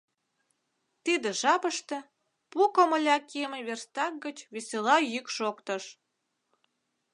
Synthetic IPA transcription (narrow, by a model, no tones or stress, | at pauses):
t̪id̪ĕʒɑpəʃt̪ĕ | pukəməlʲɑkemeβerst̪ɑk̚ɡət͡ɕβesʲelɑjykʃokt̪ə̆ʃ